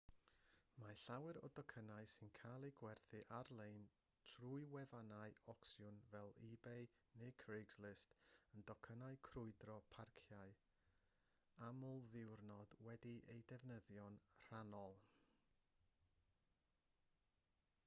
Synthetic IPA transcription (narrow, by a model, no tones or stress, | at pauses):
maɬawɛɾɔ̰dɔkʰənaɨsɨnkʰajlˠeɡwɛrθɨʔarlˠejn | tʰruɨwɛvanaɨɔksjʊnvɛlˠibej | nejkʰrejɡzlˠɪstəndɔkʰənajkʰrʊɨdrɔpʰarkʰjaɨ | amɔlˠðɪwrnɔd̥wɛdiʔḛjdɛvnəðjɔnr̥anɔlˠ